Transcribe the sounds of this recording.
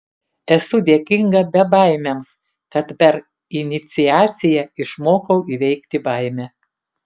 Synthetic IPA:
ɛsʊd̪ʲeɛkʲɪŋɡɐbʲɛbɐˑɪmʲɛms | kɐt̪pʲɛɾ | ɪnʲɪt̪sʲɪæːt̪sʲɪjɛɪʃmoːkɐʊiʋʲɛɪkt̪ʲɪbɐɪmʲɛ

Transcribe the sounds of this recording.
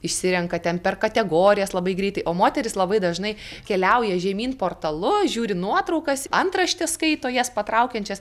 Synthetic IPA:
ɪʃʲsʲɪɾʲɛŋkɐt̪ʲɛnpʲɛrkɐt̪ʲɛɡoːɾʲɪjɛslˠɐbɐɪɡɾʲɛɪt̪ɐɪʔoːmoːt̪ʲɛɾʲɪslˠɐbɐɪd̪ɐʒnɐɪkʲɛlʲɛʊjɛʒʲɛmʲiːnpoːrt̪ɐlˠʊʒʲuːɾʲɪnuɔt̪ɾɐʊkɐsɐnt̪rɐʃʲt̪ʲɛskɐɪt̪oːjɛspɐt̪ɾɐʊkʲɛnʲt͡ʃʲɛs

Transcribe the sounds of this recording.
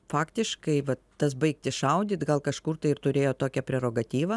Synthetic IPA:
fɑːkt̪ʲɪʃkɐɪʋɐt̪t̪ɐs̬bɐɪkt̪ʲɪʃɐʊd̪ʲiːt̪ɡɐlˠkɐʃkʊːrt̪ɐɪɪrt̪ʊɾʲeːjoːt̪oːkʲɛpʲɾʲɛɾoːɡɐt̪ʲiːʋɐ

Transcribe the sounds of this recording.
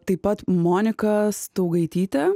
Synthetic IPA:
t̪ɐɪpɐt̪moːnʲɪkɐst̪ɐʊɡɐɪt̪ʲiːt̪ʲɛ

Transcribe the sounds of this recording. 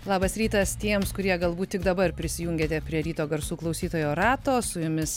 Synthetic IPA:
lˠɑːbɐsɾʲiːt̪ɐst̪ʲiɛmskʊɾʲiɛɡɐlˠbuːt̪̚ʲtʲɪkd̪ɐbɐrpʲɾʲɪsʲɪjuːŋʲɡʲeːt̪ʲɛpʲɾʲiɛɾʲiːt̪oːɡɐɾsuːklˠɐɒʊsʲiːt̪oːjoːɾɑːt̪oːsʊjʊmʲɪs

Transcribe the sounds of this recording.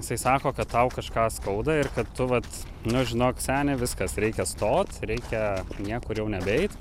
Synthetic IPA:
jɪsɐɪsɑːkoːkɐt̪t̪ːɐʊkɐʃkɑːskɐʊd̪ɐɪrkɐt̪tʊʋɐt̪ | nʊʒʲɪnoːksʲæːnʲɪʋʲɪskɐsɾʲɛɪkʲɛst̪oːt̪ɾʲɛɪkʲɛnʲiɛkʊɾjɛʊnʲɛbʲɛɪt̪

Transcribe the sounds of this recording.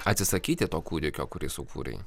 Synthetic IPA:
ɐt̪ʲsʲɪsɐkʲiːt̪ʲɪt̪oːkuːd̪ʲɪkʲoːkʊɾʲɪsʊkʰṵːɾʲɛ̰ɪ

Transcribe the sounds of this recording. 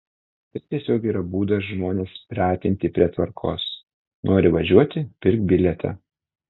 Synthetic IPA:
t̪ɐtt̪ʲiɛsʲoːkʲiːɾɐbuːd̪ɐsʒmoːnʲeːspʲɾʲæːt̪ʲɪnʲt̪ʲɪpʲɾʲiɛt̪ʋɐɾkʰo̰ːs | noːɾʲɪʋɐʒʲuɔt̪ʲɪpʲɪɾʲk̚t̪̚bʲɪlʲɛt̪ʲɛ̰

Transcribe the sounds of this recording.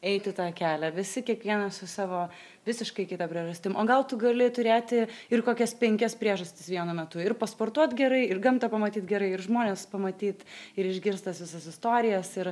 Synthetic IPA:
ɛɪt̪ʲɪt̪ɑːkʲæːlʲæʋʲɪsʲɪkʲiɛkʋʲiɛnɐsʊsɑːʋoː | ʋʲɪsʲɪʃkɐɪkʲɪt̪ɐpʲɾʲiɛʒɐsʲt̪ʲɪmʔoːɡɐlˠt̪ʊɡɐlʲɪt̪ʊɾʲeːt̪ʲɪɪrkoːkʲɛspʲɛŋʲkʲɛspʲɾʲiɛʒɐsʲt̪ʲɪ̥sʋʲiɛnʊmʲɛt̪ʊɪɾpɐspoːrt̪uɔt̪ɡʲɛɾɐɪɪɾɡɐmt̪ɐpɐmɐt̪ʲiːt̪ɡʲɛɾɐɪɪɾʒmoːnʲeːspɐmɐt̪ʲiːt̪ɪɾɪʒʲɡʲɪɾst̪ɐsʋʲɪsɐsɪst̪oːɾʲɪjɛsɪɾ

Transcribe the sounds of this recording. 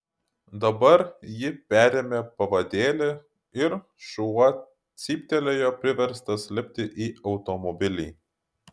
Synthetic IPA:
d̪ɐbɐɾjɪpʲæːɾʲeːmʲeːpɐʋɐd̪ʲeːlʲe | ɪɾ | ʃuɐ | t̪sʲiːpʲt̪ʲɛlʲejoːpʲɾʲɪʋʲɛɾst̪ɐsʲlʲɪpʲt̪ʲɪʔiːɐʊt̪ɔmɔbʲɪlʲiː

